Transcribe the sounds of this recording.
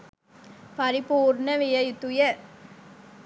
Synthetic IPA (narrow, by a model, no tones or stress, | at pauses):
pɐɾipuːɾnɐʋɪjɐjɪt̪ːujɐ